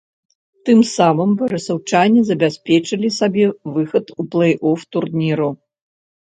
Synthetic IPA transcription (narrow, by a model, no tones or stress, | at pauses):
t̪ɨmsamɨmvɐɾɨsɐwt͡ʂanʲːizɐbʲasʲpʲɛt͡ʂɨlʲisabʲɛvɨxɐt̪uplˠɐjʔɔft̪urnʲiɾu